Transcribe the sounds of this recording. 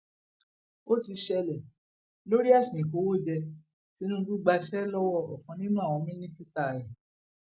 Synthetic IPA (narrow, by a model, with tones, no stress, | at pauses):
o˦ti˧ʃɛ˧lɛ˨ | lo˦ɾi˦a˦˨snĩ˨ko˨˦wo˦˨d͡ʒɛ˧ | ti˦nũ˦ɡu˦ɡ͡ba˧ʃɛ˦lɔ˦wɔ˦˨ɔ˨kɔ̃˨˧nĩ˦nũ˦a˦˨w̃ɔ̃˧mĩ˦nĩ˦si˦ta˦˨ɾɛ˨